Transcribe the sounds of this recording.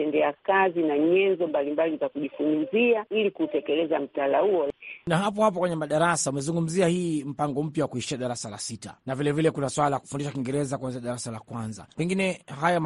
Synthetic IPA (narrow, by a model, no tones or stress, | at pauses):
ɛndɛakazinaɲɛnzɔmbalimbalizakuʄifunziailikutɛkɛlɛzam̩talahuɔnaɦap̬ɔhap̬ɔkwɛɲɛmaɗaɾasaumɛzuŋɡum̩ziahiːm̩paŋɡɔm̩pjawakuiʃiaɗaɾasala̰sita̰navilɛvilɛkunaswalaaku̥fundiʃakiŋɡɛɾɛzakuwanziʃaɗaɾasalakwanza̰pɛŋɡinɛɦajam